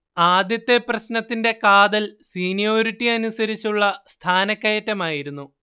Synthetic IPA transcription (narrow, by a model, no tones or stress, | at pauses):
aːd̪jɐt̪ːe̞prɐɕnɐt̪ːinde̞kaːd̪ɐlsiːnijo̞ːɾiʈːiɐnusɐɾit͡ɕːuɭːɐst̪ʰaːnɐkːɐjɐtːɐmaːjiɾunːu